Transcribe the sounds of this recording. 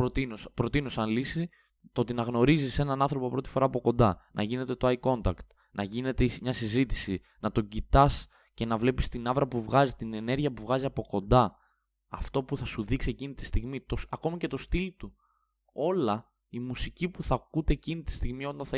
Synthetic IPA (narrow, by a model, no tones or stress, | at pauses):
pɾot̪inospɾo̞t̪inosɐnlisi | t̪o̞t̪inɐɣno̞ɾizise̞nɐnɐnθɾo̞popɾo̞t̪i̥fo̞ɾɐːpoko̞nd̪ɐnʔɐ̰ʝine̞t̪e̞t̪o̞ɐjko̞nt̪ɐkt̪ | nʔɐʝine̞t̪esmɲɐsizit̪i̥si | nɐt̪o̞ɟit̪ɐs | ce̞nɐvle̞pist̪inɐvɾɐpuvɣɐzit̪ine̞ne̞ɾʝiɐpuvɣɐziɐpo̞ko̞nd̪ɐ | ɐft̪o̞puθɐsuðiksie̞cinit̪i̥st̪iɣmit̪osɐko̞mɐce̞t̪o̞st̪ilt̪u | o̞lɐ | imusicipuθɐkut̪e̞ːcinit̪i̥st̪iɣmio̞t̪ɐnθɐ